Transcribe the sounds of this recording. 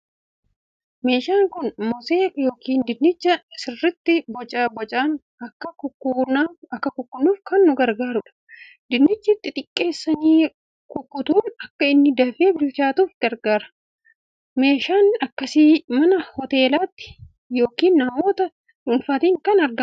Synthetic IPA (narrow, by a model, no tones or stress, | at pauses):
me̞ːʃaːŋkʊnmɔseːkjo̞ːkiːnd̪ɪnːɪt͡ʃːɐsɪrːɪt̪ːɪbɔt͡ʃʼabɔt͡ʃʼaːn | ɐkːɐʊkːuːnaɐkːɐkʊkːʊnːuːfkɐnːʊɡɐɾɡaːɾʊᶑɐ̥ | d̪ɪnːɪt͡ʃːɪt̪ːɪt̪ʼɪkʼːe̞ːsːɐniː | kʊkːʊt̪uːnɐkːɐɪnːɪd̪ɐfeːbɪlt͡ʃaːt̪uːfɡɐɾɡaːɾɐ̥ | me̞ːʃaːnɐkːɐsiːmɐnɐhɔt̪e̞ːlaːt̪ːɪ̥ | jo̞ːkiːnːɐmo̞ːt̪ɐ | ʊnfaːt̪iːŋkɐnɐɾɡɐ